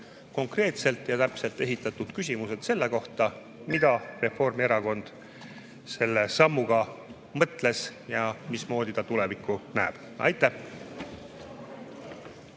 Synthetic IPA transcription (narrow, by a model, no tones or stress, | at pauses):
ko̞ŋkre̞ːt̪se̞lt̪ˑjɑt̪æpse̞lt̪ːˑe̞ɦit̪ːˑɑt̪ud̪̥kys̬ʲimuse̞d̪̥se̞lːe̞ko̞ht̪ɑ | mid̪̥ɑre̞fo̞rmie̞ɾɑko̞nd̪̥ | se̞lːe̞sɑmːuɡ̥ɑ | mɤt̪ˑle̞sjɑmismo̞ːd̪it̪ɑt̪ulevikːˑunæːb̥ | ɑ̰jt̪ːˑæh